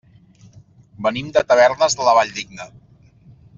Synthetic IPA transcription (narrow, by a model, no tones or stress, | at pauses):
bənimd̪ət̪əβ̞ɛɾnəzðələβaʎd̪iɡ̚nə